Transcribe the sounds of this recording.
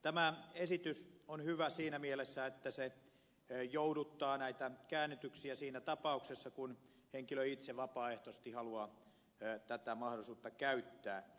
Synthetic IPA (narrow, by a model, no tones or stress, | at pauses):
t̪æmæesit̪ysonhyʋæsiːnæmielesːæet̪ːæse | joudut̪ːɑːnæit̪ækæːnːit̪yksiæsiːnæt̪ɑpɑˑuksesːɑkun | heŋkiløit̪seʋɑpɑːeht̪ost̪ihɑluɑ | t̪æt̪æmɑhɾosuːt̪ːɑkæyt̪ːæː